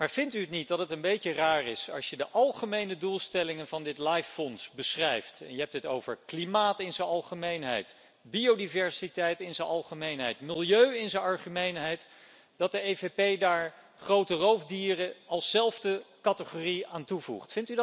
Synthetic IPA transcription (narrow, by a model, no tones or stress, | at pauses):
maːɹv̥ɪntyətnit̚dɑtətənbejcəraːrɪsɑ̰lˠsʃjədəʔɑlˠχəmejnədulˠstɛlɪŋənvɑndɪtlɑjfːɔnsbəsrɛjftɛ̰njəɦɛp̚tɦəto̰wvəɹklimaːtɪnzəɑlˠχəmejnɦɛ̰jt | biowdivɛɹsitɛjtɪnzəɑlˠχəmejnɦɛjtmɪlˠjøɥɪnzənɑɹχəmejnɦɛjt | d̥ɑt̚dəejvepejdaːɹ | χrowtərowvdiːrəɑlˠsːɛlˠvdəkɑtəχoːriaːntuvṵχtfɪntyd